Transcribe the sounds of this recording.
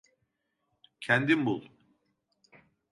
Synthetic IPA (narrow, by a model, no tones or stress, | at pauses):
cʰænd̪imbulˠ